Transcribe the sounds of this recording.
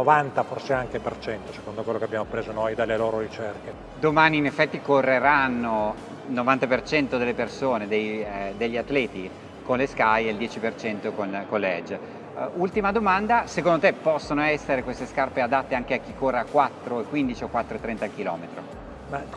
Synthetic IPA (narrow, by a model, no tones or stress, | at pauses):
ovant̪aforseaŋkepert͡ʃɛnt̪ose̥kond̪okwelːokeabjaːmopɾeːzonojd̪elːeloːɾoɾit͡ʃerke | d̪omaːniːnefːɛt̪ːikorːeɾanːo | lnovant̪apert͡ʃɛnt̪od̪elːepersoːned̪ejd̪eʎːiat̪ːlɛːt̪i | konleskajeld̪jɛːt͡ʃipert͡ʃɛnt̪okonkolːɛd͡ʒ | ult̪imad̪omand̪asek̬ond̪ot̪epːɔsːonoɛsːeɾekwest̪eskarpead̪at̪ːeaŋk̟eak̟ːikːorːeakːwat̪ːɾoekːwind̪it͡ʃiokwat̪ːɾoet̪ːɾɛnt̪ak̟ilɔ̰ːmet̪ɾo̰ | ma